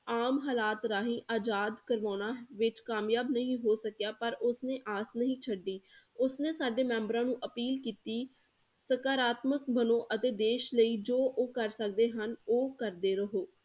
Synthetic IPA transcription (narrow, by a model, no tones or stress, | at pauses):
aːmɦaːlaːt̪ɾaːɦĩːʔaːd͡ʒaːd̪kəɾʋaːnaːʋɪt͡ʃkaːmjaːbnəɦĩːɦoːsəkjaːpəɾʊsneːʔaːsnəɦĩːt͡ʃʰəɖiː | ʊsneːsaːɖeːmɛ̃ːmbɾãːnũːʔəpiːlkiːt̪iː | səkaːɾaːt̪məkbənõːʔət̪eːd̪eːʃləiːd͡ʒoːʔoːkəɾsəkd̪eːɦənoːkəɾd̪eːɾəɦoː